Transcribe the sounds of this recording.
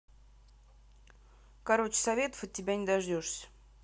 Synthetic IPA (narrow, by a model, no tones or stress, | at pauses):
kɐɾot͡ɕɪ̥sɐvʲe̞t̪ə̥fət̚ʲːɪbʲænʲɪd̪ɐʐdʲoʂsʲə̥